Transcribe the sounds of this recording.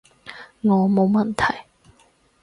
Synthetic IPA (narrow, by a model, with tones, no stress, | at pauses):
ŋɔː˨˧mo˨˧wmɐ˨nt̪ʰɐ˨˩j